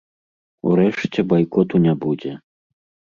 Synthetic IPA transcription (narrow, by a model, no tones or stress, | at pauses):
ṵɾɛʂt͡sʲɛbajkɔt̪unʲabud͡zʲɛ